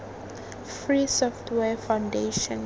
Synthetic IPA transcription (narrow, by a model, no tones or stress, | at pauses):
fɹisɔftʰwɛfãwndeʃɔ̃n